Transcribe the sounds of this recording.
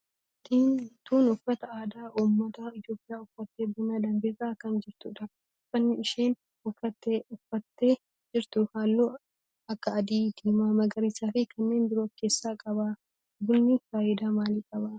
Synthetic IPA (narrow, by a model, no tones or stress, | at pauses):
t̪iːnt̪uːnʊfːɐt̪ɐaːd̪aːʔuːmːɐt̪ɐɪt̪jo̞ːpʼːɪjaːʊfːɐt̪ːe̞ːbʊnaːd̪ɐmbeːsaːkɐnd͡ʒɪɾt̪ʊᶑɐf | ʊfːɐnːɪɪʃeːn | ʊfːɐt̪ːeʊfːɐt̪ːe̞ː | d͡ʒɪɾt̪ʊhaːlːoː | ɐkːɐɐd̪iːd̪eːmaːmɐɡɐɾiːsaːfɪkʰɐnːe̞ːnb̪ɪɾoːt̪keːsːaːkʼɐbaː | bʊlnɪfaːʔɪd̪aːmaːliːkʼɐbaː